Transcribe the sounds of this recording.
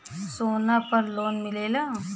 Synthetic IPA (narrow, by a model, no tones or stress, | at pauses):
soːnapɐɾloːnmɪleːla